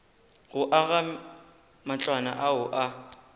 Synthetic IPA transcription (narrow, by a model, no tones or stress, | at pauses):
ɣʊʔaɣa | mat͡ɬʼwana̰ʔaʊʔa